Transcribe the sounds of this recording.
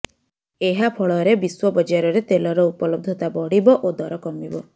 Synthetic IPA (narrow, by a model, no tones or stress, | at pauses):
eɦapʰɔɭɔɾebiswɔbɔd͡ʒaɾɔɾet̪elɔɾɔupɔlɔb̚d̪ʱɔt̪abɔɽibɔʔod̪ɔɾɔkɔmibɔ